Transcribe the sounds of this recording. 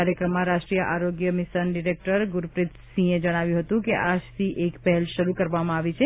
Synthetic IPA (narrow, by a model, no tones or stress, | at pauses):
aɾjəkɾəmːãɾaʃʈɾijəʔaɾoɡjəmisənɖiɾek̚ʈəɾɡuɾpɾit̪sĩed͡ʒəɽ̃aʋjũɦət̪ũkeʔad͡ʒt̪ʰiʔekpəɦɛlʃəɾukəɾʋamãaʋit͡ʃʰe